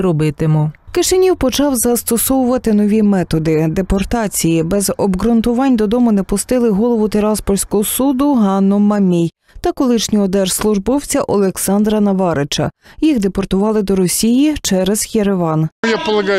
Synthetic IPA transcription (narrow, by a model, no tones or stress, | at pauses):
ɾɔbɪt̪ɪmɔkɪʃenʲiwpɔt͡ʃɑwzɐst̪ɔsɔwʊʋɐt̪ɪnɔʋʲimɛt̪ɔd̪ɪd̪epɔrt̪ɑt͡sʲijibɛzɔbɣɾʊnt̪ʊʋɑnʲd̪ɔd̪ɔmʊnɛpʊst̪ɪlˠɪɦɔlˠɔʋʊt̪eɾɑspɔrʲsʲkɔɦɔsud̪ʊɦɑnːɔmɐmʲij | t̪ɐkɔlˠɪʃnʲiɔd̪ɛrslˠʊʒbɔwt͡sʲɐʔɔlˠeksɑnd̪ɾɐnɐʋɑɾɪt͡ʃɐ̰jixd̪epɔrt̪ʊʋɑlˠɪd̪ɔɾɔsʲijit͡ʃɛɾezjeɾeʋɑnjapɔlˠɐɡɑ